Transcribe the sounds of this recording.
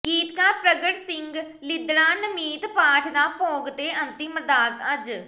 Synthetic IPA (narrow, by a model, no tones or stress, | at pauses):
ɡiːt̪kaːɾpɾəɡəʈsɪŋɡ | lɪd̪ɽaːnəmiːt̪paːʈʰd̪aːpõːɡt̪eːʔənt̪iːməɾd̪aːzəd͡ʒ